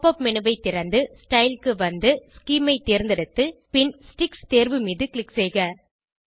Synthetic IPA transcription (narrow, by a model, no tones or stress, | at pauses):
pːɐpmɪnɯbɐɪt̪ːɪɾɐnd̪ɯsʈɐɪlkɯʋɐnd̪ɯskiːmɐɪt̪ːeːɾnd̪ɐɽɯt̪ːɯpɪnsʈɪkst̪eːɾʋɯmiːðɯkɭɪksɛːɣɐ